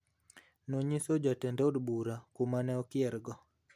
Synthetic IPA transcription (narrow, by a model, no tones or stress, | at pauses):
noɲisod͡ʒatɛndɛodbuɾakumanɛɔkɪɛɾɡɔ